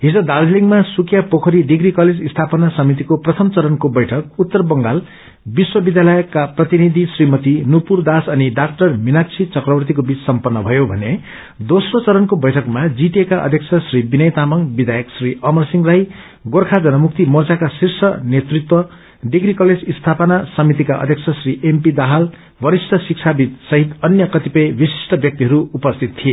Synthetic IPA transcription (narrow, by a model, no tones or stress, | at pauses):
ɦid͡zʌd̪aɾd͡zliŋmasukjapokʰʌɾiɖiɡɾikʌled͡zist̪ʰapʌnasʌmit̪̬ikoprʌt̪ʰʌmt͡sʌɾʌnkobʌjʈʰʌk̚ut̪ːʌrbʌŋɡal | biswʌbid̪jalʌjkːaprʌt̪inid̪ʱisrimʌt̪inupurd̪asʌniɖak̚ʈʌrminakt͡sʰit͡sʌkrʌbʌrt̪̬ikobit͡ssʌmpʌnːʌbʱʌjobʱʌne | d̪osrot͡sʌɾʌnkobʌjʈʰʌkmad͡ziʈiekaʔʌ̰d̪ʱjʌk̚t͡sʰʌsribinʌjt̪amʌŋbid̪ʱajʌksriʌmʌrsiŋraj | ɡorkʰad͡zʌnʌmukt̪imʌrt͡sakasirsʌnet̪rit̪wʌ | ɖiɡrikʌled͡zist̪ʰapʌnasʌmit̪̬ikaʔʌ̰d̪ʱjek̚sʰʌsriʔempid̪aɦal | bʌɾisʈʌsik̚t͡sʰabit̪sʌɦit̪ʌnjʌkʌt̪ipʌjbisi̥sʈʌbjʌk̚t̪iɦʌɾuupʌst̪ʰit̪tʰːije